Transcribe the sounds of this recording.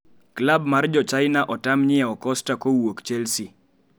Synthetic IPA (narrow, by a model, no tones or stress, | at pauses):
klabmard͡ʒɔt͡ʃaɪnaʔɔtamɲɪɛɔkɔstakowokt͡ʃɛlsi